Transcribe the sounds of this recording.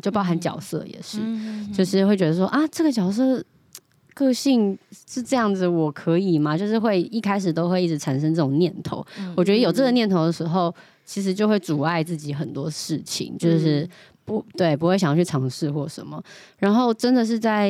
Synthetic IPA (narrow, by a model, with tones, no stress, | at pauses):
t͡ɕjʊpɑ˥xa˧˦nt͡ɕjɑ̰˨˩ʊsɤ̰˥˩jɛ̰˨˩ʂɻ̩˥˩t͡ɕjo˥˧ʊʂɻ̩˥˩˧xwe˥˩ɪt͡ɕɥɛ˧˥d̪ə˧ʂwɔ˥ʔa˥˩ʈ͡ʂɤ˥˩ɡə˩t͡ɕjɑ˨˩ʊs̬ɤ˥˩ | kɤ˥˧ɕi˥˧ŋʂɻ̩˥˧ʈ͡ʂɤ˥˧jɑ˥˩ŋd͡z̩˨˩wɔ˨˩kʰɤ˧˥i˨˩ma˩t͡ɕjo˥˧ʊʂɻ̩˥˧xwe˥˧ɪi˥˩kʰa˥ɪʂ̬ɻ̩˨˩t̪o˥ʊxwe˥˧ɪi˥˩ʈ͡ʂ̩˧˥ʈ͡ʂʰa˨˩nʂə˥ŋʈ͡ʂɤ˥˩ʊ˨˩ŋnjɛ˥˨˩nt̪ʰo̰˧˦ʊwɔ˨˩t͡ɕɥɛ˧˥d̪ə˧jo˩ʈ͡ʂɤ˥˩ɡə˩njɛ˥˩nt̪ʰo˧˥d̪ə˨˩ʂɻ̩˧˥xo˥˩ʊ | t͡ɕʰi˧˥ʂ̬ɻ̩˧˥t͡ɕjo˥˧ʊxwe˥˩ɪʈ͡ʂu˨˩a˥˧ɪt͡sɹ̩˥˩t͡ɕi˧˥xə˨˩nt̪wɔ˥ʂɻ̩˥˩t͡ɕʰḭ˨˦ŋt͡ɕjo˥˧ʊʂɻ̩˥˩ | pu˧˥t̪we˥˩ɪp̬u˧˥xwe˥˩ɕ̬jɑ˥˩t͡ɕʰy˥˩ɑ˧˥ŋʂɻ̩˥˧xwɔ˥˩ʂə̰˧˥nmə̰˨˩ɻa˧˥nxo˥˩ʊʈ͡ʂə˥nd̪ə˨ʂ̬ɻ̩˥˧t͡sa˥˩ɪ